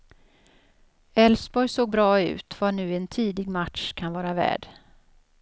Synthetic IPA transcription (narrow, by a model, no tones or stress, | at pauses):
ɛlsbɔjsoːɡ̚bɾɑːʉ̟̰ːt̪vanʉ̟ːɛnt̪ʰiːd̪ɪɡmat̪ʂkʰanvɑːɾavæ̰ːɖ